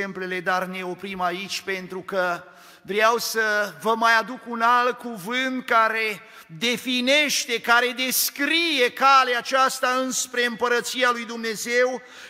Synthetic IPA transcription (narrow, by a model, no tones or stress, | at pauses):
emple̞le̞d̪arne̞o̞pɾimait͡ʃʲpe̞nt̪ɾukə | vɾeawsəvəmajad̪ukunalt̪̚kuvɨnt̪̚kaɾe̞ | d̪e̞fine̞ʃt̪e̞kaɾe̞d̪e̞skɾije̞kaleat͡ʃast̪aɨnspɾe̞ɨmpəɾət̪sialujd̪umne̞ze̞w